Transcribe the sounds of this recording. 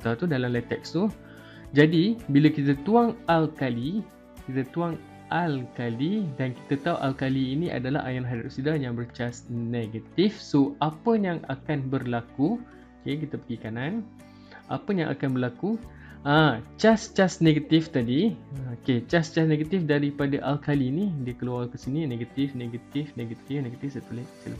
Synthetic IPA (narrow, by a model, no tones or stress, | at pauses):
t̪aut̪udalamlat̪ɛkst̪u | d͡ʒadibilakit̪ət̪uaŋalkali | kit̪ət̪uaŋ | ʔalkalidanki̥t̪ət̪auʔalkaliːnĩʔa̰dala̰ha̰janɦadaʔsidajaŋbərt͡ʃasneɡət̪ifsoapəjaŋa̰kanbərlaku | okekit̪apəɡikanan | ʔa̰pəja̰ŋʔa̰kanbərlaku | at͡ʃast͡ʃasneɡat̪ift̪adioket͡ʃast͡ʃasneɡat̪ifdaɾipadaʔalkalinidiakəlualkəsinineɡat̪ɪfneɡat̪ɪfneɡat̪ɪfneɡat̪ifsət̪ulesə̰la